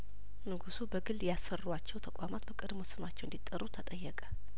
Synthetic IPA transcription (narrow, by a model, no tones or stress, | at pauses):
nɨɡusubəɡɨld̪jasːərːuat͡ʃːɛwt̪ʰəkʷʼwamat̪bəkʼəd̪mo̞sɨmat͡ʃːɛwnd̪it̪ʼːərːut̪ʰət̪ʼəjːɛkʼə̥